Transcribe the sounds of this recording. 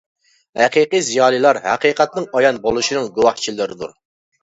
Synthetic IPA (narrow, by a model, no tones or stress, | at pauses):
hɛqiqijzijɑːlˠɨlˠɑɾhɛ̰qiqɛt̪̚nɨŋɑjɑnbolˠuʃinɨŋɡowɑht͡ʃʰilɪɾɪd̪uɾ